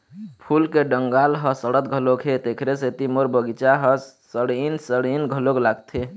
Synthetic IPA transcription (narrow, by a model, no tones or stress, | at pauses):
pʰulkeɖəŋɡalɦəsəɽət̪̚ɡʱəlokʰɦet̪ekʰɾeset̪imoɾbəɡit͡ʃaɦəsəɽinsəɽinɡʱəloklaɡt̪ʰe